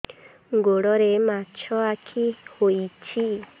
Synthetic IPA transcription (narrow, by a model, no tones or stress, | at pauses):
ŋɡoɾɔɾemat͡ʃɔakʰihoit͡ʃi